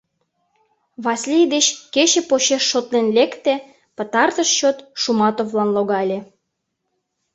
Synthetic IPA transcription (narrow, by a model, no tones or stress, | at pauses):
βɑslʲid̪et͡ɕket͡ɕĕpoɕeʃːot̪lenlekt̪ĕ | pə̆t̪ɑrt̪əʃt͡ɕot̪ʃumɑt̪ovlɑnloɣɑlʲe